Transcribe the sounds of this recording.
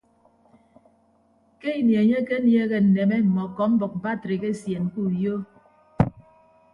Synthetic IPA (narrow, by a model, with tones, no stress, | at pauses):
ke˦i˨nje˨ɲe˦ke˦nje˦ɣe˦˨n̩˨ne˨me˦m̩˨mɔ˨kɔ˨˦m̩˦bɔ˨k̚m̩˨ba˦˨tɾe˨ke˦˨sje˨n˨ku˦˨jo˦